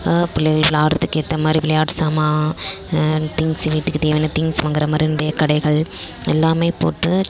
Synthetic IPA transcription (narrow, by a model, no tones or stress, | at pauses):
pɪlːɪɣɐɭʋɪɭaːɾt̪ːɯkːet̪ːɐmaːd̪ɾiʋɪlɐjaːʈsaːmaː | t̪ɪŋsʋiːʈːɯkːɯt̪iːʋɐnɐt̪ɪŋɡsʋɐŋɡɪɾɐmaːd̪ɾiɪnɖɐjɐkɐɽɐɪɣɐɭ | ɛlːaːmeːpo̰ːʈːɯ